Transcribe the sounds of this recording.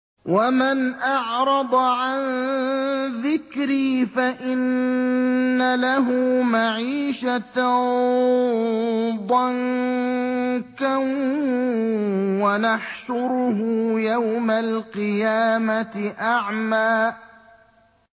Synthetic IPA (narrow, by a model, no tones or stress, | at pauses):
wamanʔɑʕɾˤɑd̪ˤʕan | ðɪkɾiːfaʔɪnː | alaɦʊːmaʕiːʃat̪a | d̪ˤɑŋ | kan | wanaħʃʊɾʊɦʊjawmalqɨjaːmat̪ɪʔaʕmaː